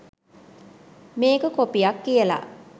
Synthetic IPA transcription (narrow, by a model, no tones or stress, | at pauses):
meːkəkopijakːijəla̰